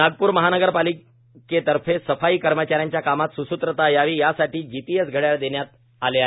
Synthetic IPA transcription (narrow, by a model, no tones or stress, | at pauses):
naɡ̚puːɾməɦanəɡəɾpali | ket̪əɾfesəfaiːkəɾmət͡ɕaɾjaɲt͡ɕjakamat̪susut̪ɾət̪ajaʋiːjasaʈiːd͡ʑipiesɡʱəɽjaɾd̪eɳjat̪̚ | aleaɦ